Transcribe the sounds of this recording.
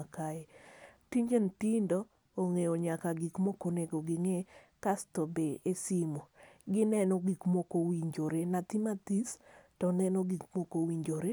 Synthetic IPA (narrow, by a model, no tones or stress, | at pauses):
akaetiɲd͡ʒentindɔː | ŋeoɲakaɡikmokoneɡoɡɪŋekastobeesimoɡɪnɛnoɡikmokowiɲd͡ʒoɾenat̪imat̪istɔnɛnoɡikmokowiɲd͡ʒoɾe